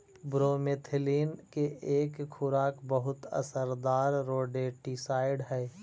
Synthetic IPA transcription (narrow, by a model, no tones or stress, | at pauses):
bɾoːmet̪ʰɪliːnkeeːkxʰʊɾaːkbəɦʊt̪ə̰səɾd̪aːɾːoːɖeːʈisaːɪɖɦɛː